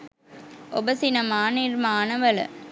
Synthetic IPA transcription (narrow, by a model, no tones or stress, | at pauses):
ʔɔbɐsɪnɐmaːnɪɾmaːnɐʋɐlɐ̰